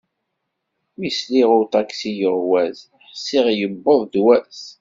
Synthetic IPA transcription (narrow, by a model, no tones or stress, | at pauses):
misliʁʊɾt̪ˤɑksijəʁwæz | ħsːiʁjəbːoðˤd̪wæs